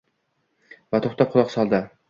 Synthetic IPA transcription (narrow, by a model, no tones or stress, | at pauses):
vat̪ʰoχt̪ʰap̚qʰʊlˠɒqsɒlˠd̪ɪ